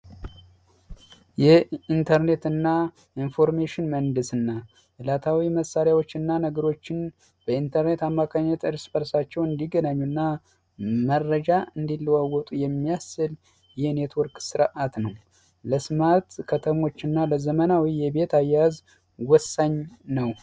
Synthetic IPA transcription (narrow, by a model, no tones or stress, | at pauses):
jɛint̪ʰəɾne̞t̪ɨnːa | ʔinfo̞ɾmeʃɪnmənd̪ɨsɨnːa | ʔɨlat̪ʰawiməsːaɾjawo̞t͡ʃːɨnːanəɡəɾo̞t͡ʃːɪn | b̥əint̪ʰəɾne̞t̪amːakʰaɲːət̪ɨɾsbəɾsat͡ʃːɛwɨnd̪iɡənaɲːunːa | mərːəd͡ʒaɨnd̪ilːwawːɔt̪ʼujɛmːijasɨl | jɛhne̞t̪ʰwɔɾkʼsɨɾʔat̪nəw | ləsmat̪kʰət̪ʰəmo̞t͡ʃːɨnːaləzəmənawijɛbe̞t̪ʰajːaz | wɔsːaɲːnəw